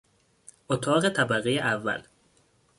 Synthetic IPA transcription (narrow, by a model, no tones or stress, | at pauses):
ʔot̪ʰɒːɣet̪ʰæbæɣejeʔævːæ̰l